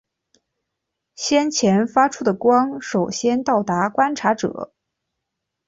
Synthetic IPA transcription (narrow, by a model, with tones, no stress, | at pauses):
ɕjɛ˥nt͡ɕʰjɛ˧˥nfa˥ʈ͡ʂʰu˥d̪ə˨kwɑ˥ŋʂo˨˩ʊɕjɛ˥nt̪ɑ˥˩ʊt̪a˧˥kwa˥nʈ͡ʂʰa˧˥ʈ͡ʂɤ̰˨˩˦